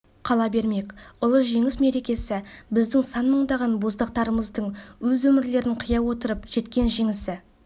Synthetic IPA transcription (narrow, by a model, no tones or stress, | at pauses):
qʰɑlˠɑbe̞ɾme̞kʲʊlˠəʒe̞ŋɪsme̞ɾe̞kʲe̞sɪbɪzd̪ɪŋsɑnməɴd̪ɑʁɑnbo̞zd̪ɑq̚t̪ɑɾəməzd̪əɴwɵzwɵmɪɾle̞ɾɪɴqʰəjɑwo̞t̪əɾəpʒ̥e̞t̪kʲe̞nʒe̞ŋɪsɪ